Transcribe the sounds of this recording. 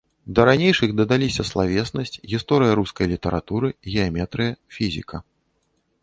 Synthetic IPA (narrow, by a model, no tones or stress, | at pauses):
d̪ɐɾanʲejʂɨxd̪ɐd̪alʲisʲɐslˠavʲɛsnɐsʲt͡sʲɣʲist̪ɔɾɨjɐɾuskɐjlʲit̪ɐɾa̰t̪uɾɨɣʲɛamʲɛt̪ɾɨjɐfʲizʲḭkʰɐ